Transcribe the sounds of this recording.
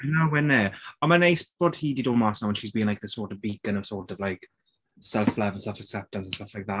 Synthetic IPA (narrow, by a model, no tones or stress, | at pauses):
nawɛnɛənməneɪsbɔd̥hiːdidoːmasawə̃nʃizbiːɪ̃ŋlaɪk̚ðəsɔːˑtəvbiˑkə̃nəv̥sɔːˑtəvlaɪk | sɛlˠflɛvə̃nstʌfəksɛp̚tə̃nsə̃n̩stʌflaɪk̚ða